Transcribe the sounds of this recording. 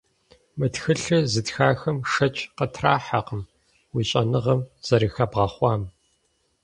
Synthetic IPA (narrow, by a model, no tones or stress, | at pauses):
mɨtxɨɬɨzɨtxaːxɐmʂɐt͡ʃʰʼqətʰraːħaqəm | wiːɕʼɐnɨʁɐmz̥ɐɾɨxɐbʁɐχʷɑːm